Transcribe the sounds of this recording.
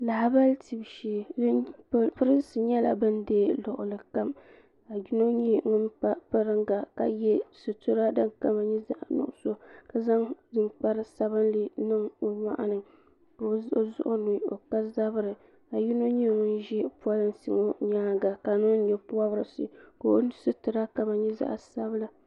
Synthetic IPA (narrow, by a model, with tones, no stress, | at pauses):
la˨ha˨ba˦lti˨bʃeː˨˦˨ | pɨ˦ɾɨ˦n˦sɨ˨ɲɛ˦la̰˨bɨ˦ndeː˦lʊ˨ʔʊ˨lɨ˨ka˦m | a˨ji˦no˦ɲi˦ŋʊ˦npa˦pɨ˦ɾɨ˦ŋɡa˨ka̰˨jɛ˦sɨ˨to˦ɾa˦dɨ˦ŋka˦ma˨ɲɛ˦za̰˦ʔnʊ̰˨ʔʊ˦so˦ka˨za˦ŋdɨ˨nk͡pa˦ɾɨ˦sa˨βɨ˦nli˦nɨ˦ŋo˨ma̰˦ʔa̰˦nɨ˨ŋ | ko˨o˦zʊ̰˦ʔʊ˦nu˨o̰˨ka˦za˦bɨ˦ɾɨ˨ | a˨ji˦no˦ɲi˦ŋʊ˦nʒɛ˦pu˦a˦lɨ˦n˦si˦ŋo˦ɲa˦ɡa˨ka˨nʊ˦n˦ɲɛ˨pu˦a˦bɨ˦ɾɨ˨˦sɨ̰˨ko˨o˦n˦sɨ˦tɨ˨ɾa˦ka˨ma˨ɲɛ˦za̰˦ʔsa˦bɨ˦la˨